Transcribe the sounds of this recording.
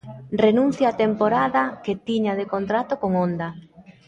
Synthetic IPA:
renũn̟θjaːt̪empoɾaðɐket̪iɲaðekont̪ɾat̪okoŋond̪ɐ

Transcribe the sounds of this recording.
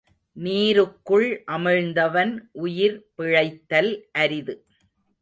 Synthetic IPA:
niːɾɯkːɯɭʔɐmɪɻnd̪ɐʋɐnʔʊjɪɾpɪɻɐɪt̪ːɐlʔɐɾɪðɯ

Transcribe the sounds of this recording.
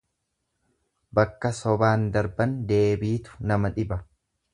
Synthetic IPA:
bɐkːɐsɔbaːnd̪ɐɾbɐnd̪e̞ːbiːt̪ʊ̥nɐmɐᶑɪbɐ

